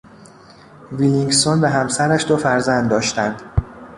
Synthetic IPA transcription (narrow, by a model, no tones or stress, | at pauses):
viliŋɡsonbeɦæmsæɾæʃd̪ofæɾzænd̪̚d̪ːɒːʃt̪ænd̪̥